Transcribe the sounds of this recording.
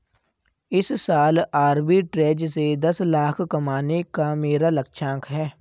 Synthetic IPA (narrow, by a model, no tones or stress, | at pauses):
ɪssaːlaːɾbiʈɾeːd͡ʒsed̪ɐslaːkʰkɐmaːnekameːɾaləkʃʰãːŋkʰɦɛː